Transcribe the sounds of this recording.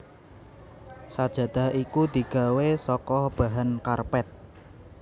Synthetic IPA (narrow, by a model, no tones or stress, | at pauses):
sad̥ʒ̥ä̤d̪̥a̤hʔikud̪̥i̤ɡ̥a̤wesɔkɔhb̥a̤ɦankarpɛt̪̚